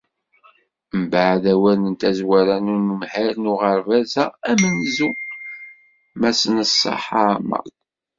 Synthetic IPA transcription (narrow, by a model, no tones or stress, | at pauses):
mbaʕðæwælənt̪æzwæɾænunumħaɾnuʁəɾvæzææmənzu | mæsənəsˤːɑ̰ħɑmɑ̰